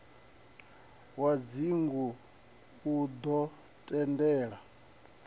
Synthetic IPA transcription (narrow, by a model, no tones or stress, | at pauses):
wad͡ziŋɡu | ud̪ɔ | tʼɛndɛːɺa